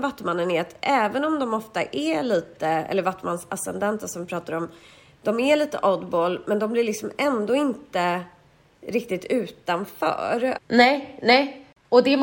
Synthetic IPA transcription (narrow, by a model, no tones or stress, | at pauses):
vat̪ːəmanːənɛɾat̪ʔɛːvənɔmd̪ɔmɔft̪a̰ʔɛɭiːt̪əɛ̰lːəɾvat̪ːmansasɛ̰nd̪ɛnt̪əsɔmvɪpʰɾɑːt̪aɾɔm | d̪̥ɔmɛɭiːt̪ə̰ʔɔd̪boːlmɛnd̪ɔmblɪlɭɪksɔmɛnd̪oːɪnt̪ə | ɾɪk̚t̪ɪt̪ʰʉ̟ːt̪anfœ̰ːɾnɛnɛ | ɔd̪ɛ